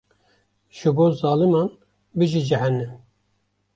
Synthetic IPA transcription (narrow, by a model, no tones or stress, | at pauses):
ʒ̥ɨboːzɑːlɨmɑn | bɨʒid͡ʒɛhɛnːɛm